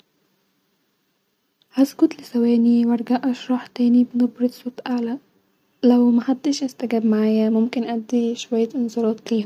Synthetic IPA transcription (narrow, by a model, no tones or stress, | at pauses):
hazkʊt̪lɪsaweːniwɑɾˤɡaʔɑʃɾˤɑːħt̪eːnibnʊbɾɪd̪sˤuːt̪ʔaʕla | lawmaħad̪ːiʃʔɪst̪aɡaːbmaʕaːjamʊmkɪnʔad̪ːiʃwajːaʔɪnzˤɑɾˤɑːt̪̚kiːh